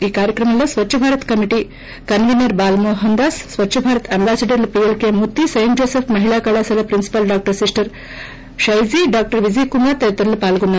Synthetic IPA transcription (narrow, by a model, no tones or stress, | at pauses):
iːkaːɾjɐkɾɐmɐlːɐsʋɐtːʃʰɐbʱaːɾɐt̪kɐmiʈi | kɐnʋinɐɾbaːlmoːɦɐnd̪aːsːʋɐtːʃʰɐbʱaːɾɐt̪ʰɐmbaːsɐɖɐɾlpijɐlkemut̪ːisɐjimd͡ʒoːsepʰmɐɦilaːkɐɭaːsɐlɐpɾinsi̥pɐlɖaːk̚ʈɐɾsisʈɐɾ | ʃɐjd͡ʒiɖaːk̚ʈɐɾʋid͡ʒikumat̪ɐjɐt̪ɾɐlupaːlɡunːa